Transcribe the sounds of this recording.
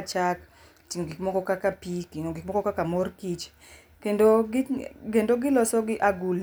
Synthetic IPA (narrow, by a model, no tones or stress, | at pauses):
t͡ʃak | t͡ʃiŋɡikmɔɡɔkakapikiŋɡik̚mɔɡɔkakamɔrkit͡ʃ | kendoɡɪkendoɡɪlɔsɔɡɪʔaɡul